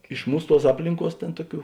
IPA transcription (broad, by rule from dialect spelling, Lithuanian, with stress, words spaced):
ɪʃ ˈmuːs ˈtuɔs ˈɑːpʲlʲɪŋˌkuɔs ˈtʲeːn ˈtuɔˌkʲuː